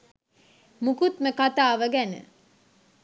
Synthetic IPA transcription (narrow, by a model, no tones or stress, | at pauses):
mukut̪məkat̪aːʋəɡænə̰